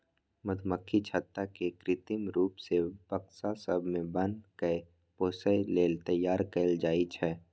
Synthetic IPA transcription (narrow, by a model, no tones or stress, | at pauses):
məd̪ʱməkʰːit͡ʃʰaːt̪ːakekɾɪt̪ɪmɾuːpsepəksasəbʱmẽbə̃nkə | poːsəjleːlt̪əjːaːɾkeld͡ʒaːit͡ʃʰɛː